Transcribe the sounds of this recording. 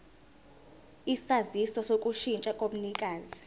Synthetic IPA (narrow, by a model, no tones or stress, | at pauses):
isazisɔsokʼuʃint͡ʃʼakʼom̩nikʼaːzi